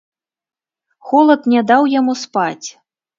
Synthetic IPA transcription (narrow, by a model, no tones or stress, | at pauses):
xɔlˠɐt̪nʲad̪awjamuspat͡sʲ